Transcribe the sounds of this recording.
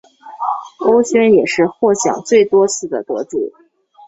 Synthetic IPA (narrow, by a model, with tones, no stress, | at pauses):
o˥ʊɕjɥɛ˥njɛ˨˩ʂɻ̩˥˧xwɔ˥˩ɕjɑ̰˨˩˦ŋt͡swe˥˩ɪt̪wɔ˥t͡sʰɹ̩˥˩d̪ə̰˩t̪ɤ˧˥ʈ͡ʂu˥˩˦